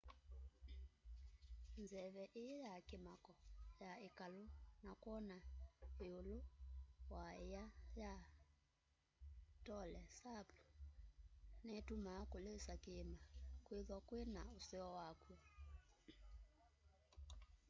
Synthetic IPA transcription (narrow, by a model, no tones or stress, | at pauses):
nd͡zɛβɛʔeejakemakɔjaekalonakwɔnaeolowaejaja | tɔlɛsapu̥ | nɛtumakolesakemakweðwakwenaosɛɔwakwɛ